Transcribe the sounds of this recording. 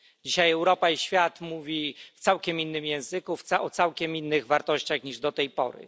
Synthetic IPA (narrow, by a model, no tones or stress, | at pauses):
d͡ʑiɕajɛwɾɔpaiɕfʲjat̪muvʲift̪sawkʲɛmʲinːɘmjɛ̃w̃zɘkuft̪saɔt̪sawkʲɛminːɘɣvaɾt̪ɔɕt͡ɕaxɲiʐd̪ɔt̪ɛjpɔ̰ɾɘ̰